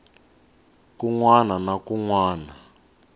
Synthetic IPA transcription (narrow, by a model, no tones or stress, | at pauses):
kuŋwananakuŋwaːna